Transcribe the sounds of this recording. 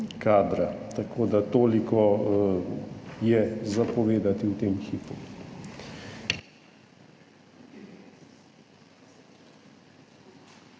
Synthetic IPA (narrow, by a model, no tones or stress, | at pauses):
kaːd̪ɾat̪akʰoːd̪at̪oːlikɔ | jɛzapɔʋeːd̪at̪iwt̪eːmxiːpu